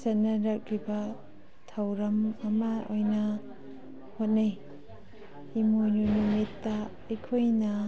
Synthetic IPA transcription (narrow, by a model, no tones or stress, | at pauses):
sɐnɐɾɐk̚ɾibɐ | tʰawɾɐmɐmɐojnɐ | hot̚naj | imojnunumitːɐː | jkʰojnɐ